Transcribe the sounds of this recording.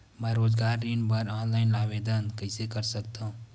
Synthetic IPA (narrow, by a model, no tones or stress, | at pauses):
mɛ̃ːɾoːzɡaːɾːiːnbəɾaːnlaːɪnlaːʋeːd̪ənkɐɪsekɐɾsɐk̚t̪aɦũː